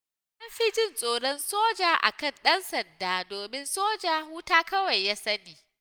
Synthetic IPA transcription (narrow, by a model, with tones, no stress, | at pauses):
ɐ˦mɸiː˦d͡ʒɪ˦˨nsʼoː˨ɽɔ˦nsoː˦d͡ʒaː˨ʔa̰˨kɐ˦˨nɗɐ˦nsɐ˨ndaː˦doː˨mɪ˦nsoː˦d͡ʒaː˨huː˦taː˦kɐ˦wa˨jːaː˦sɐ˦niː˨